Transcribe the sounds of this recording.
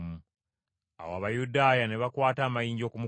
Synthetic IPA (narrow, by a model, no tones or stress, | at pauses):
mu | a̰woa̰βajudaːjane̞βakwaːtaːmajiːɲɟo̞ːkumu